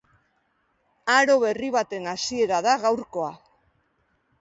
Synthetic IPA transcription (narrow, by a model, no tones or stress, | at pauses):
aɾo̞βe̞riβ̞at̪e̞nasie̞ɾaðaɣawɾko̞a